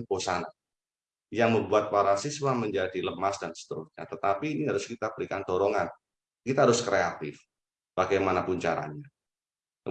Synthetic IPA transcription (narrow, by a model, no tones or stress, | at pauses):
posana | jaŋməmbuat̪̚paɾasiswaməɲd͡ʒadiləmasdansə̥t̪əɾʊsɲa̰t̪ət̪apiːniɦaɾʊskit̪abəɾikant̪oɾoŋan | kit̪aɦaɾʊskɾeat̪ɪf | b̥aɡajmanapʊɲt͡ʃa̰ɾa̰ɲa | ə